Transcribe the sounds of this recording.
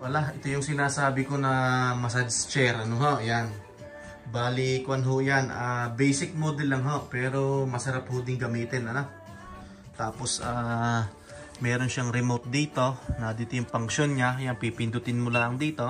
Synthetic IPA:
wɐlaʔɛt̪o̞jʊŋsɪnaːsaːbɪko̞nɐmɐsɐd͡ʒst͡ʃɛɾʔɐnoɦoʔjan | baːlɪkʊɐnɦojanʔaːbɛjsɪk̚moːd̪ɛlːɐŋɦo̞ʔpɛːɾo̞mɐsɐɾap̚hod̪ɪŋɡɐmiːt̪ɪnɐno | t̪aːpo̞sʔaː | mɛːɾo̞nʃaŋɾɪmowt̪̚d̪iːt̪o̞nɐd̪iːt̪ojʊŋpɐŋʃonɲajaŋpipɪnd̪ʊt̪ɪnmʊlaɐŋd̪iːt̪o̞

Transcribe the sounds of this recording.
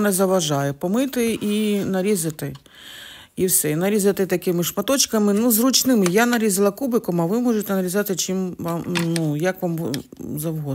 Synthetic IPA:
nɛzɐʋɐʒɑjɛpɔmɪt̪ɪinɐɾʲizɐt̪ɪ | iwsɛinɐɾʲizɐt̪ɪt̪ɐkɪmɪʃmɐt̪ɔt͡ʃkɐmɪnuzrut͡ʃnɪmɪjanɐɾʲizɪlˠɐkubɪkɔmɐʋɪmɔʒet̪ɛnɐɾʲizɑt̪ɪt͡ʃimʋamnujɐkʋamzɐwɦɔ

